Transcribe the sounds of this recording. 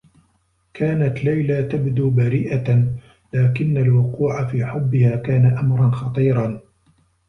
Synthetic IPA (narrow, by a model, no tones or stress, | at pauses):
kaːnat̪lajlat̪abd̪uːbaɾiːʔa | laːkɪnːalwʊquːʕafiːħʊbːɪhaːkaːnaʔamɾˤɑnxɑt̪ˤiːɾˤɑ